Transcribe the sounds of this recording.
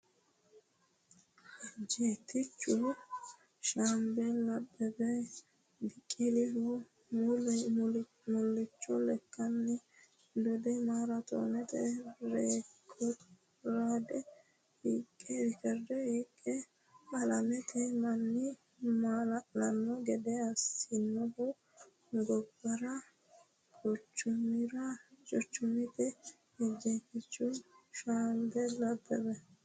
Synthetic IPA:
d͡ʒeːt̪ːɪt͡ʃːʊ | ʃaːmbɛlɐbːɛbɛ | bɪkʼːɪlɪhɔ | mʊl | mʊlːɪt͡ʃːɔlɛkːɐnːɛ | d̪ɔd̪ɛmaːɾɐt̪o̰ːnɛt̪ɛɾeːkʰːɔ | ɾad̪ɛ | iːkʼːɛɾɪkɛɾdɛiːkʼːɛ | ɐlɐmɛt̪ʰɛmɐnːɪ | malɐlɐnːɔɡɛd̪ɛɐsɪnːɔbʊ | ɡɔbːɐɾɐ | kɔt͡ʃːʊmɪɾɐt͡ʃʼɔt͡ʃːʊmɪt̪ɛ | ɛd͡ʒekːɪt͡ʃːʊʃaːnd̪ɛlɐbɛbɛ

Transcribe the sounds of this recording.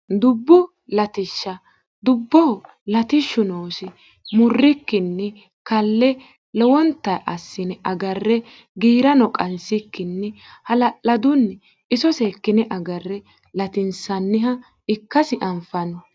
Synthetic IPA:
d̪ʊbːʊ | lɐt̪ɪʃːɐ | d̪ʊbːɔhɔ | lɐt̪ɪʃːʊnoːsɪ | mʊrːɪkːɪnːɛ | kɐlːɛ | lɔwɔnt̪ːɐjʔɐsːɪnɛʔɐɡɐrːɛ | ɡiːɾɐnɔkʼɐnsɪkːɪnːɛ | hɐlɐʔɐd̪ʊnːɛ | ɪsɔseːkːɪnɛʔɐɡɐrːɛ | lɐt̪ɪnsɐnːɪɦɐ | ɪkːɐsɪʔɐmfɐnɔ

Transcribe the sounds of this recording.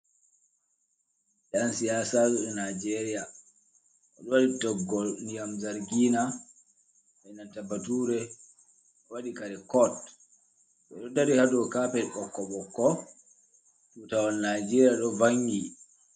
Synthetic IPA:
ɗɛansijasatuɗɛnad͡ʒɛɾija | ɛɗɔwaɗitɔɡɔnijamzaɾɡiːna | ɓɛnantabatuːɾɛ | ɓɔwaɗikaɾɛkɔt | ɓɛ̰ɗɔdaɾihadɔkaːpɛʔɔkːɔɓɔkːɔ | sutawanːad͡ʒɛɾijaɗɔvaŋɡi

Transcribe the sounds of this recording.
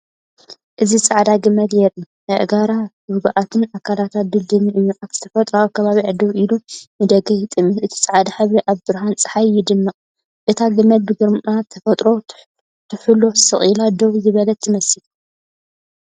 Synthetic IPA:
ʔɨzisʼaʕd̪aɡɨmɐd̪jɛlːu | hɨʔɡaɾahuhɡʔat̪ʰɨnakʰalat̪ʰat̪̚b̪ɨd̪ɨmiʔɨjːuʔat̪z̥ɨ̥t̪ʰɐfɐt̪ʼɾawkʰɐβaβiʕɨd̪ɐβʔilunɨd̪ɐɡɐjɪt̪ʼɨmiʔɨt̪ʰi̥sʼaʕd̪aħaβɾiʔaβbɨɾɦant͡sʼɨ̥ħajːɪd̪ɨmːɐqʼ | ʔɨt̪ʰaɡɨmːɐd̪̚bɨɡɨɾmat̪ʰːɐfɐt̪ʼɾo̞ | t̪ʰɨħɨlo̞sɨχʼilad̪oβzɨβɐlɐt̪ʰːɨmɐsil

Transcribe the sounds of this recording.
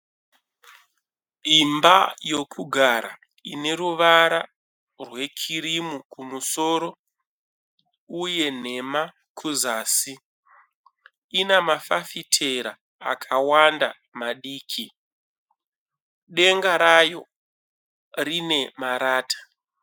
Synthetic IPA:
imbajokʰuɡʱaɾa | ine̞ɾuʋaɾa | rwe̞kʰiɾimukumuso̞ːɾo̞ | uje̞n̤e̞ma | kʰuzaːsi | inamafafitʰeɾa̰ː | kʰawanda | maɗiːkʰi | ɗe̞ŋɡaɾajo̞ | rine̞maɾaːtḁ

